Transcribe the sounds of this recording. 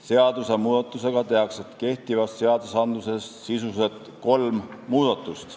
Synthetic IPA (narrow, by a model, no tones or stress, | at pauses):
se̞ɑd̪̥use̞muːd̪ɑt̪ːˑuse̞ɡ̥ɑt̪e̞ɑkset̪ke̞ht̪ivɑsːeɑd̪̥usɑnd̪luse̞ssisuse̞t̪ | ko̞lmmuːd̪̥ɑt̪ːˑust̪